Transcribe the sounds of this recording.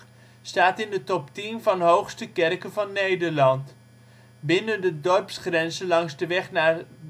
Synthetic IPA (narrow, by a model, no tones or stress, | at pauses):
staːtɪndətɔptinvɑnɦowχstəkɛrkənvɑnːejdəɹlɑnt | bɪnəndədɔrpsχrɛnzəlɑŋzdəʋɛχnaːɹ